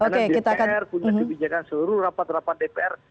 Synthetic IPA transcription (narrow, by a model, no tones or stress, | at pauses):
onkekit̪akanɛrpuɲaɦəbid͡ʒakansəluɾurapat̪rapat̪̚depeɛr